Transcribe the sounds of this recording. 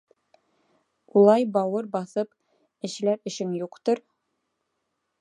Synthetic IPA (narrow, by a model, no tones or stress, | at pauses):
ulˠɑjbɒwɤɾbɑθɤp | ɘ̆ɕ̆læɾɘ̆ɕɘŋjuqt̪ɤɾ